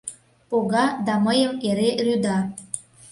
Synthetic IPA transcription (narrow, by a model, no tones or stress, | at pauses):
poɣɑd̪ɑməjəmeɾeryd̪ɑ